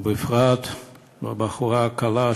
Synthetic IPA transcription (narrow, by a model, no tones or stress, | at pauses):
befʁat̪ | abaχuʁakala